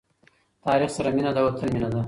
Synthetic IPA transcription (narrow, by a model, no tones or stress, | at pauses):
t̪ɑːɾiχsaɾaminad̪awat̪ʰəlminad̪a